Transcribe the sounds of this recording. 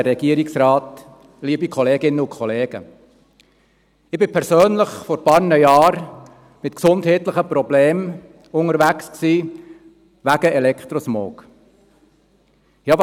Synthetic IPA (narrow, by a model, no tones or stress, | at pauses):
ɾɛɡ̥iəɾɪksɾɑːt̪ | liːbikʰɔleːɡɪnːəʊkʰχɔleːɡ̥ə | ɪb̥ɪpʰɛɾsøːnləχfɔɾpɑːɾnəjɑːɾ | mɪtksʊndhɛːtləχəpɾɔbleːm | ʊŋəɾʋæksksiː | ʋæɡ̥əɛlɛkt̪ɾɔsmo̰ːk | jɑːʋ